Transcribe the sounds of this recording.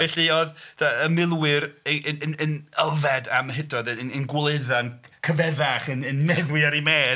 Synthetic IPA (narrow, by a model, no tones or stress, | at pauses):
ɛɬiɔðdaəmɪlˠwɪɾəənənənəlˠvɛdamɦɪdɔðənənɡwlˠeðan | kʰəvɛðaχənənmɛðwɪaɾimeː